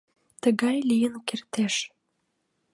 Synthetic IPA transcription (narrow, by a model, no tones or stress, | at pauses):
t̪əɣɑjlijənkert̪eʃ